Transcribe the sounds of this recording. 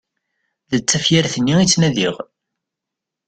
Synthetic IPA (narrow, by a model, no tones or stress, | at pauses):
ðət͡sːæfjaɾθənːiit͡sːnæðiʁ